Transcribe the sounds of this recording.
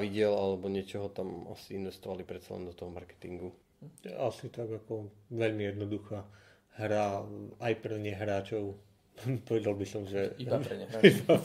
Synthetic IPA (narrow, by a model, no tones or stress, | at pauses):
ʋiɟɪɛlalɛbɔɲɪɛt͡ʃɔɦɔt̪ama̰siinʋɛst̪ɔʋalipɾɛt̪t͡sa̰lɛ̰nd̪ɔt̪ɔɦɔmaɾkɛ̥t̪ḭŋɡu | t̪ɛ̰asit̪aɡakɔʋɛʎmijɛd̪nɔd̪uxaː | ɦɾaajpɾɛɲɛɦɾaːt͡ʃɔʊ | pɔʋɛd̪alˠbisɔmʒɛ | iba